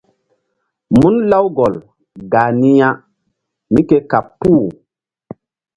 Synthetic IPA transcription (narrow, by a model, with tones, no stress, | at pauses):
mu˦nla˦wɡɔ˨l | ɡaː˨ni˦ja˦ | mi˦ke˦ka˨pːuː˦˨